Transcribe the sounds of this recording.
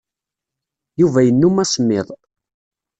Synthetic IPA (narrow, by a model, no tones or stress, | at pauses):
juvæjənːumæsmːɪðˤ